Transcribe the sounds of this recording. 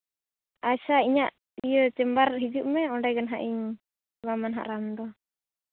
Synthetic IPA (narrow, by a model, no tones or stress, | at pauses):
ʔasaiɲaʔ | ijət͡ʃɛmbarɦid͡ʒuʔmɛɔɳɖajɡanɦaʔiɲ | bamanɦa̰ʔɾandɔ